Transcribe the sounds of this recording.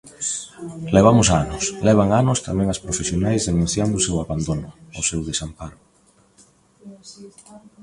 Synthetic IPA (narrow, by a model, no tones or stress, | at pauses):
leβ̞amʊsanʊslɛβ̞aŋanʊst̪amɛ̃ŋaspɾofesjonajzðenũn̟θjand̪ʊːsewaβand̪onʊosewðesampaɾʊ